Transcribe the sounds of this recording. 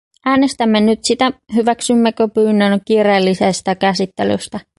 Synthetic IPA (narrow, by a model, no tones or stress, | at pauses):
ʔæːne̞st̪æmːenyt̪sit̪æhyʋæksymːekøpyːnːønkiːreːlːisest̪ækæsit̪ːelø̰st̪æ